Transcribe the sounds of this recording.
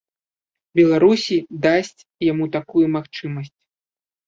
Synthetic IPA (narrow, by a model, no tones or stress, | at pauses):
bʲɛlˠaɾusʲid̪asʲt͡sʲ | jamut̪akujumaxt͡ʂɨmɐsʲt͡sʲ